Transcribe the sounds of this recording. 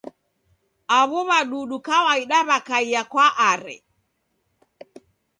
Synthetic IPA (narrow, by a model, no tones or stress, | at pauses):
aβɔβaɗuɗukawaiɗaβakaijakwaʔaɾɛ̰